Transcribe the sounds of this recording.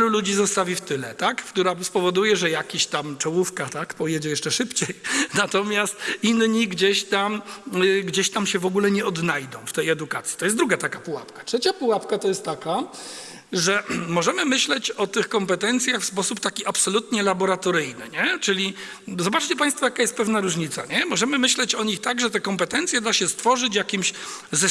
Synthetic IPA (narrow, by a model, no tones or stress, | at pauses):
lulud͡ʑizɔst̪avʲift̪ɘlɛt̪akkt̪uɾaspɔvɔd̪ujɛʐɛjakʲiɕt̪amt͡ʂɔwufkat̪akpɔjɛd͡ʑɛjɛʂt͡ʂɛʂɘpt͡ɕejnat̪ɔmʲjast̪inɲiɡd͡ʑeɕt̪amɡd͡ʑeɕt̪amɕɛvɔɡulɛɲɛɔd̪najd̪ɔ̃w̃ft̪ɛjɛd̪ukat̪sʲi̥t̪ɔjɛsd̪ɾuɡat̪akapuwa̰pkḁtʂɛt͡ɕapuwapkat̪ɔjɛst̪ːaka | ʐɛmɔʐɛmɘmɘɕlɛt͡ɕɔt̪ɘxkɔmpɛt̪ɛnt̪sʲjaxfspɔsupt̪akʲiapsɔlut̪ɲɛlabɔɾat̪ɔɾɘjnɘ̰ɲɛt͡ʂɘlʲi | zɔbat͡ʂt͡ɕɛpaj̃st̪fɔjakajɛst̪̚pɛvnaɾuʐɲit̪saɲɛmɔʐɛmɘmɘɕlɛt͡ɕɔɲixt̪aɡʐɛt̪ɛkɔmpɛt̪ɛnt̪sʲjɛd̪aɕɛst̪fɔʐɘt͡ɕjakʲimɕzɛ